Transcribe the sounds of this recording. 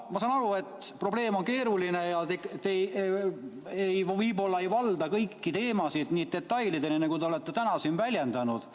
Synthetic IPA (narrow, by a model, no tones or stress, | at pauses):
mɑsɑːnɑɾue̞t̪ːˑpro̞ble̞ːmo̞nke̞ːɾulinejɑt̪ekt̪ej | ejvɤjbo̞lːɑe̞jvɑld̪̥ɑkɤjkːit̪e̞ːmɑsid̪̥niːd̪̚d̪e̞t̪ːˑɑjlid̪eninɑkut̪e̞o̞let̪ːe̞t̪ænɑsinvælʲjend̪̥ɑnud̪̥